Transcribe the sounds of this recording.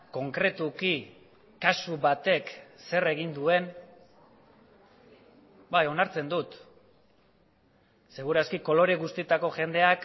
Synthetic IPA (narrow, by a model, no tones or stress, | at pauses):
ko̞ŋkɾe̞t̪uki | kasuβat̪e̞kse̞reɣ̞ind̪ue̞n | bajo̞naɾt͡se̞nd̪ut̪ | se̞ɣ̞uɾaskiko̞lo̞ɾeɣust̪it̪ako̞ʝe̞nd̪e̞ak